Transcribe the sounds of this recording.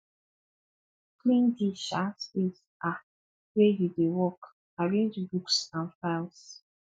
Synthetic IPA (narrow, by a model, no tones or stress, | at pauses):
klĩndiʃaspes | ʔa | wejudewɔk | aɹẽnd͡ʒbuksãnfaɪls